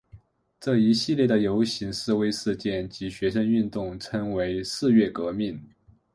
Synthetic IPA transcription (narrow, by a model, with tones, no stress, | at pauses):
ʈ͡ʂɤ˥˩i˧˥ɕi˥˧ljɛ˥˩d̪ə˩jo˧˥ʊɕi˧˥ŋʂɻ̩˥˩we˥ɪʂɻ̩˥˧t͡ɕjɛ˥˩nt͡ɕi˧˥ɕɥɛ˧˥ʂə˥ny˥˧nt̪ʊ˥˩ŋʈ͡ʂʰə˥ŋwe˧˥ɪʂɹ̩˥˧ɥɛ˥˩kɤ˧˥mi˥˩n